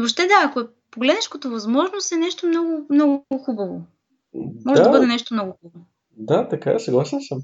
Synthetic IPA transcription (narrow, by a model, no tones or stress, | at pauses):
bopʃ̬t̪ɛd̪aːkoɛ | poɡlɛd̪nɛʃkot̪əvɐzmɔʒnost̪ɛnɛʃt̪omnɔɡʊmnɔɡɡʊxubɐvo | mɔʒɛabɤd̪ɛnɛʃt̪omnɔɡʊxubo | d̪at̪ɐka̰sɐɡlˠasɛnsəm